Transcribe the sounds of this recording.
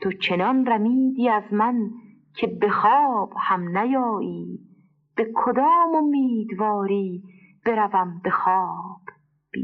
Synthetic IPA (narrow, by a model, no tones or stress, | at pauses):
t̪ʰot͡ʃʰe̞nɒnræmiːd̪iːæzmæn | kʰe̞be̞xɒːb̥hæmnæjɒːʔiː | b̥e̞kʰod̪ɒːmomːiːd̪vɒːɾiː | b̥e̞ɾævæmbe̞xɒːb̥ | b̥ḭː